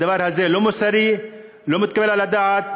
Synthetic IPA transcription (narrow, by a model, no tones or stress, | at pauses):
ɐʋaɾɦɐzelumusɐɾi | lomut̪̚kɐʋelalɐd̪aat̪̚